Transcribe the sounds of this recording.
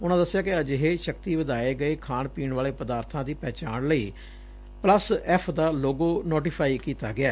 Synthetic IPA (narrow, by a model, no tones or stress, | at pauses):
ʊnãːd̪əsːɪjaːkɪəd͡ʒɪɦeːʃəkt̪iːʋəd̪aːeːɡəeːkʰaːɳpiːɳʋaːleːpəd̪aːɾt̪ʰãːd̪iːpɛːt͡ʃaːɳləiː | pləsɛpʰd̪aːloːɡoːnoːʈipʰaːiːkiːt̪aːɡɪaː